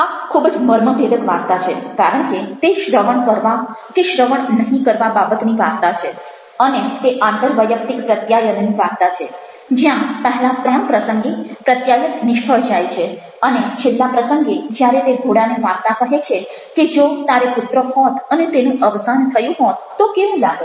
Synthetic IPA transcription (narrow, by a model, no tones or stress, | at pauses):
akʰːubd͡ʒməɾməbʱed̪əkʋaɾt̪at͡ʃʰekaɾəɳket̪eʃɾəʋəɳkəɾʋakeʃɾəʋəɳnəɦĩkəɾʋababət̪niʋaɾt̪at͡ʃʰe | ənet̪eʔãnt̪əɾʋəjək̚t̪ikpɾət̪jajənniʋaɡt̪at͡ʃʰe | d͡ʒjãpəɦelat̪ɾəɳpɾəsəŋɡepɾət̪jajət̪nɪʃkʰəɭd͡ʒajt͡ʃʰe | ənet͡ʃʰelːapɾəsəŋɡed͡ʒjaɾet̪eɡʱoɽaneʋaɾt̪akəɦet͡ʃʰe | ked͡ʒot̪aɾeput̪ɾəɦɔt̪ənet̪enũʔəʋsant̪ʰəjũɦɔt̪t̪ːokeʋũlaɡ